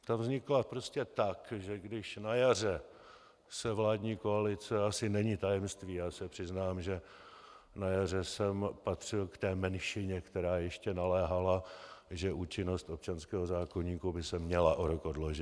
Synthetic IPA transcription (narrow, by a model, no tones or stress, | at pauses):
t̪avzɲɪklapɾo̞scɛt̪akʒɛɡdɪʃnajar̝ɛ | sɛvlaːdɲiːkoalɪt͡sɛasɪnɛɲɪt̪ajɛmst̪viːjaːsɛpr̝̥ɪznaːmʒɛ | najar̝ɛsɛmpat̪r̝̥ɪlkt̪ɛːmɛnʃɪɲɛkt̪ɛɾaːjɛʃcɛnalɛːɦalaʒɛʔuːt͡ʃɪno̞st̪op̚t͡ʃanskɛːɦozaːko̞ɲiːkubɪsɛmɲɛlaʔoɾokodloʒɪt̪